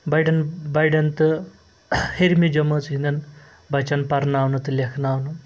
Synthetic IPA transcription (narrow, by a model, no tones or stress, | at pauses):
bajɖɐnbajɖɐnt̪ɨ | heɾmid͡ʒɐmɐt͡sɦind̪ɐn | bat͡ʃanpaɾnawnut̪ɨlʲekʰnawnu